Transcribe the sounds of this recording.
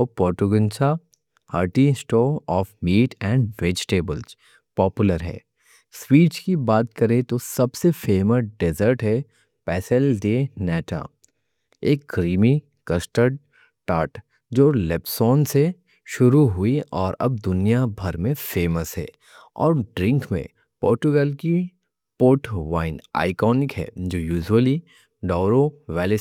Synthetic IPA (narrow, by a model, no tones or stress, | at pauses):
pɔːɾʈʊɡə̃nt͡ʃa | haːɾʈisʈoːɔːfmiːʈɛ̃ːɳɖʋeːd͡ʒʈeːbəlz | pɔːpjʊləɾɦɛ̰ː | swiːt͡ʃkibaːt̪kɐɾẽt̪osɐbsefeːməsɖezəɾʈɦɛ | pɛːsəlɖ̪eːnɛːʈa̰ | eːk̚ɡɾiːmi | kɐsʈəɖ̚ | ʈaːɾʈ | d͡ʒoːlɛpsɔːnse | ʃʊɾuɦʊiɔːɾɐ̰b̚d̪ʊnijabʱɐɾmẽfeːməsɦɛ̰ː | ɔ̰ːɾɖɾɪ̃ŋkmḛ̃ | pɔːɾt͡ʃʊɡɛːlki | poːɾʈʋaːɪna̰ːɪkɔːnɪkɦɛ̰ːd͡ʒoːjuːd͡ʒwəli | ɖɔːɾoʋɛːle